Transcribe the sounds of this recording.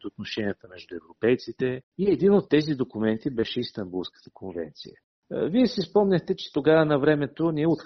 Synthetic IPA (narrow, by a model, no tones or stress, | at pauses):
t̪ot̪̚noʃɛniət̪əmɛʒd̪ʊɛvɾopɛjt̪sit̪ɛiɛd̪inot̪ːɛzid̪okumɛnt̪ibɛʃɛist̪ɐmbulˠskə̥t̪ə̥kʰonvɛ̰nt̪sḭjə̰ | viɛsispɔmnʲɐxt̪ɛt͡ʃɛ̥t̪oɡavənɐvɾɛmɛt̪oniɛot̪